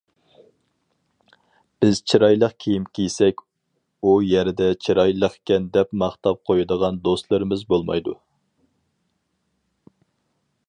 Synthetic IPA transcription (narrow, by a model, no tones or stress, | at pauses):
b̥ɪz̥t͡ʃʰiɾɑjlˠəqkʲʰijimkʲʰijsɛkʲ | ujɛɾɪd̪ɛt͡ʃʰiɾɑjlˠəχkʲɛnd̪ɛpmɑχt̪ɑp̚qʰojɨd̪əʁɑnd̪ost̪lˠɨɾɨmɪzbolˠmɑ̰jd̪ṵ